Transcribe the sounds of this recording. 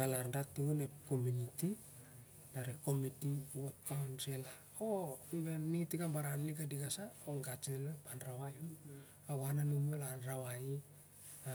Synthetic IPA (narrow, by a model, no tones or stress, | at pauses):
alaɾndatuunepkomuniti | naɾeko̞mitiwot̚kawnsela | obenːitikambaɾanliɡadiɡasaoŋɡat͡ʃelopanɾawajo | aβananumolanɾaβai | a